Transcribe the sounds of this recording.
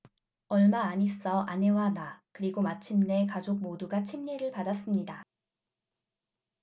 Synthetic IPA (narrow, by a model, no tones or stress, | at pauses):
ʌɭmaːɲis͈ʌʔane̞wanakɯɾiɡomat͡ɕʰimne̞kad͡ʑok̚moduɡat͡ɕʰimɲiɾɯɭpadas͈ɯmɲida